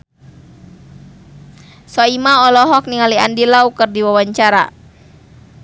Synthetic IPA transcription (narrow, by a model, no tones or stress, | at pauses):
sɔimaɔlɔɦɔk̚niŋaliandilaukɨrdiwawaɲt͡ʃaɾa̰